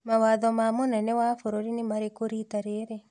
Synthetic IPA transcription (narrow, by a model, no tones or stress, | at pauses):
mawaðɔmamonɛnɛwafoɾoɾinimaɾekoɾit̪aɾeɾe